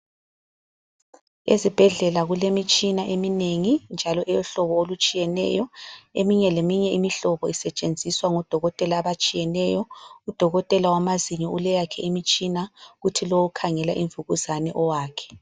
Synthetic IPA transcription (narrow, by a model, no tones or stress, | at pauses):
ezib̥ʱɛɮɛlaɣulemit͡ʃʼinaʔemineŋind͡ʒʱalɔʔɛjɔɬɔβɔolut͡ʃʼijɛnɛ̰jɔemiɲɛlemiɲɛimiɬɔβɔisɛt͡ʃʼend͡zʱiswaŋɔd̥ʱɔɣɔtʼɛlaːβat͡ʃʼijɛnɛjɔud̥ʱɔɣɔtʼɛlawamaziɲɔulɛjakʰɛimit͡ʃʼinaɣutʰilowukʰaŋɛlaʔiɱvuɣuzanɛʔɔwaːkʰɛ̥